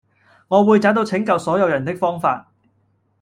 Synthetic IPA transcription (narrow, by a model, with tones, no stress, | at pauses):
ŋɔː˨˧wuː˨˧jt͡saː˨˥wt̪o˧wt͡sʰɪ˨˥ŋkɐ˨˧wsɔː˨˥jɐ˨˧wjɐ˨˩nt̪ɪ˥k̚fɔː˥ŋfaː˧t̚